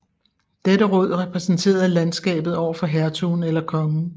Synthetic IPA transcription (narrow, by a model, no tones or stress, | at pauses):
d̥edəʁɔ̽ð̞̰ˠʁɛpʰʁɛsn̩t͡sʰe̝̰ːɐð̩ˠlænsɡ̥ɛ̰ːb̥ð̩ˠɒ̰ʊ̰ɐfɒ̽ɦæɐt͡sʰunelɐkʰɒ̽ŋ̩